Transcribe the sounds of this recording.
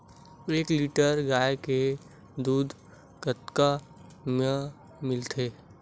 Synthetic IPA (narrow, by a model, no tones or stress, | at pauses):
eːkliːʈəɾɡaːeke | d̪uːd̪ | kət̪ka | me | mɪlt̪ʰeː